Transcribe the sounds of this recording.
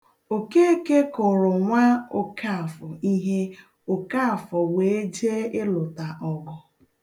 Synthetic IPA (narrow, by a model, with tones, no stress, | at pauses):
o˨ke˦e˦ke˦kʊ˨ɾʊ˨ŋʷa˦o˨ka˦˨fɔ˨i˦ɦe˦ | o˨ka˦˨fɔ˨we˨˦e˦d͡ʒe˦e˦lʊ˨ta˨ʔɔ˨ɡɔ˨